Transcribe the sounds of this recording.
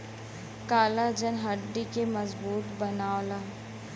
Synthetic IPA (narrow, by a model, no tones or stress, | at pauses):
kaːlad͡ʒənɦɐɖːikemɐzbuːt̪bɐnaːlaː